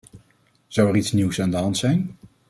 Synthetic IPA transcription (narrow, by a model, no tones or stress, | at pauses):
z̥ʌwɛritsniwsaːndəɦɑntsɛjn